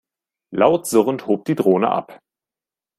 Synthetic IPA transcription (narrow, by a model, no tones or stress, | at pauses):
laʊtz̥ʊʁənthoːp̚d̥iːdʁoːnə̰ʔa̰p